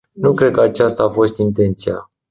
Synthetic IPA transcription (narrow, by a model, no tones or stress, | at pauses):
nukɾe̞d̪̚kəat͡ʃast̪aːfo̞st̪int̪e̞nt̪sia